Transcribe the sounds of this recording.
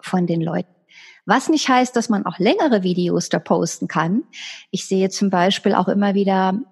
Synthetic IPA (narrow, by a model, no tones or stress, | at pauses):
fɔndeːnlɔ̰ʏtn̩ | vasnɪçthaɪst̚d̥asmanʔa̰ʊxlɛŋəʁəviːdeoːsd̥apʰoʊstn̩kʰanʔɪçz̥eːət͡sʊmbaɪʃpiːlʔa̰ʊxʔɪmɐviːdɐ